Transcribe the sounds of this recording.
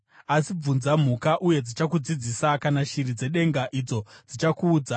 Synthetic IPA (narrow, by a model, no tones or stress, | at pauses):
asib͡vunzam̤ukaʔuje̞d͡zit͡ʃakud͡zid͡zisakanaʃirid͡ze̞ɗe̞ŋɡaʔid͡zo̞d͡zit͡ʃakuːd͡za